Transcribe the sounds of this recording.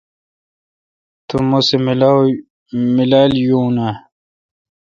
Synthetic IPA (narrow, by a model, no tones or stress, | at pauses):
t̪umusem | milaːljuːna